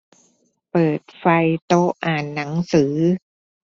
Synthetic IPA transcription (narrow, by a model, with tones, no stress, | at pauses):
pɤː˨˩t̪̚fa˧jt̪o˦˥ʔaː˨˩nːa˩˦ŋsɯː˩˦